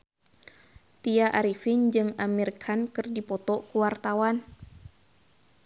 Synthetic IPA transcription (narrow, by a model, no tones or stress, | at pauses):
t̪iaʔaɾifind͡ʒɨŋamirkʰankɨrdipɔt̪ɔkuwart̪awan